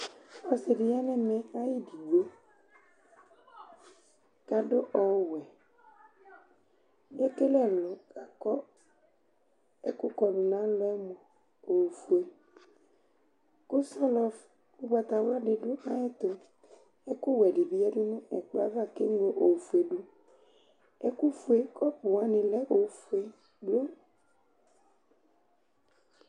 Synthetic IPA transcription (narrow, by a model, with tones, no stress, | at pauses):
ɔ˨se˨ɖi˨ja˦nɛ̃˦mɛ̃˨a˦ji˦di˨wo˦ | ka˨ɖo˦ʔɔ˨˦wɛ˨ | je˦ke˦lɛ˦˨lɔ˨ka˨kɔ˦ | e˦kʊ˦kɔ˨ɖu˨nã˦lɔ˦ɛ˦mɔ̃˨ | o˨fu˨e˨ | ku˦sɔ˦lɔ˨f | u˦ɡ͡ba˨t̪a˨wa˦ɖe˨ɖo˦nã˦ɛ˦t̪o˨ | ɛ˦ku˦wɛ˨ɖi˨bi˦ɛ˦ɖu˦nũ˦ɛ̰˨k͡po˦a̰˦va˦˨ke˦ŋ˦e˨˦ʔo˨fu˨e˨ɖu˦ | ɛ˦ku˦fu˦e˨kɔ˦pu˨wã˦nĩ˨lɛ˦o˨fu˨e˨ | ɖu˦o˦